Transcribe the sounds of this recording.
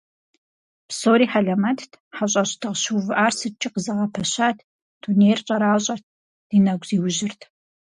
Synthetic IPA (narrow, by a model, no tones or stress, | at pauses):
psoːɾiːħaɮɐmɐtʰtʰħaɕʼɐɕtʰɨʁɕuvɨʔaːrsɨt͡ʃʼɪqəzɐʁɐpʰɐɕaːtʰ | d̥unejrɕʼɐɾaːɕʼɐrt̚ʰ | d̥iːnɐɡʷziːwʊʒɪrtʰ